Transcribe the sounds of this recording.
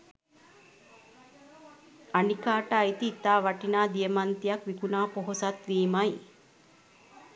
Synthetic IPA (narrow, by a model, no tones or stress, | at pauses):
anikaːʈaːit̪iːt̪aːʋaʈinaːd̪ijəmant̪ijakʋikunaːpoɦosat̪ʋiːmaj